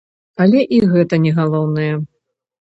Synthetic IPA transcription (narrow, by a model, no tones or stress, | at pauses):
alʲɛʔiɣɛt̪ɐnʲɛɣalˠɔwnɨjɛ